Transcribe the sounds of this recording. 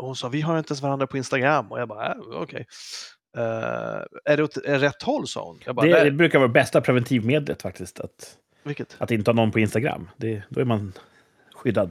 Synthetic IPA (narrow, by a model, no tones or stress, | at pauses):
ɔhʊnsɑːvɪɦaɾɪnt̪əɛns̬vaɾand̪ɾapʰɔɪnst̪aɡɾamːɔ̰jɑɡbɑːɾa̰ɔ̰kʰɛ̰j | ɛ | æɖɛɔt̪ɛɾɛt̪ʰːhɔlːsɑ̰ːhʊ̰njɑ̰ɡbaːd̪ɛd̪ɛbɾʉ̟ːkaɾvɑːɾabɛst̪apʰɾɛvɛnt̪ʰiːvmeːd̪lə̰t̪fak̚t̪ɪskt̪ʰa̰t̪ | vɪkːət̪ʔat̪ɪnt̪əhɑːnɔnpʰɔɪnst̪aɡɾa̰mːd̪ɛd̪ɔæɾman | ɧʏd̪ːad̪